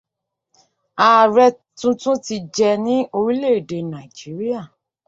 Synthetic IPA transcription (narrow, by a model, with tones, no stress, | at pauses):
a˨ɾɛ˧ | tũ˦tũ˦ti˧d͡ʒɛ˧nĩ˨˦o˧ɾi˦le˦˨de˨nã˨d͡ʒi˨˦ɾi˦a˦˨